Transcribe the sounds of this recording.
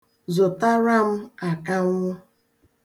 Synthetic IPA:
zo˨ta˦ɾa˦m̩˦a˨ka˦ŋʊ˦

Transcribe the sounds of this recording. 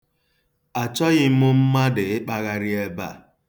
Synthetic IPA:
a˨t͡ʃɔ˦ɣɪ˦m̩˦mʊ˦m̩˦ma˦dɪ˨ɪ˦k͡pa˨ɣa˦ɾɪ˦e˦ba̰˦˨

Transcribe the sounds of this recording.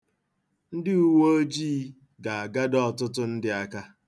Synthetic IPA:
n̩˦dɪ˦u˦wo˦o˦d͡ʒiː˦ | ɡa˨a˨ɡa˦dɔ˦˨tʊ˦tʊ˦n̩˦dɪ˦a˦ka˦

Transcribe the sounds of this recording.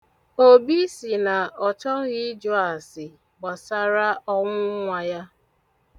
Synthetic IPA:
o˨bi˦si˨na˨ɔ˨t͡ʃɔ˦ɣɪ˦d͡ʒɔ˦a˨sɪ˨ | ɡ͡ba˨sa˦ɾa˦ʔɔ˦ŋʷʊ˦ŋʷa˨ja˦

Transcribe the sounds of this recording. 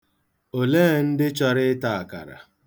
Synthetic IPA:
o˨leː˦n̩˦dɪ˦t͡ʃɔ˦ɾɪ˦ta˨a˨ka̰˨ɾa̰˨

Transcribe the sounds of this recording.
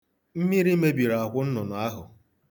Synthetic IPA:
m̩˦mi˦ɾi˦me˦bi˨ɾa˨a˨kʷʊ˦n̩˦nʊ˨nʊ˨a˦ɦʊ˨

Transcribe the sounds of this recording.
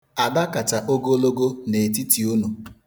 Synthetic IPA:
a˨da˦ka˨t͡ʃa˨ʔo˦ɡo˦lo˦ɡo˦ne˨t̬i˦ti˨u˦nu˨

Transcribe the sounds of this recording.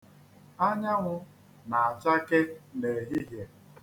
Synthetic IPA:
a˦ɲa˦ŋʷʊ˦ | na˨a˨t͡ʃa˦ke˦ne˨ɦi˦ɦje˨

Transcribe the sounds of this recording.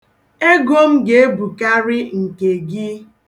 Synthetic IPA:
e˦ɡo˦m̩˦ɡe˦e˦bu˨ka˦ɾɪ˦ŋ̩˨ke˨ɡi˦

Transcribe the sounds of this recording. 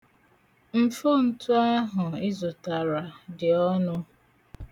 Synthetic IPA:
m̩˨fo˦n̩˦tu˦a˦ɦʊ˨ɪ˦zʊ˨ta˨ɾa˨dɪ˨ɔ˦nʊ˦

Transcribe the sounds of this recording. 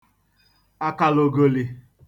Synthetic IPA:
a˦ka˨lo˨ɡo˨li˨

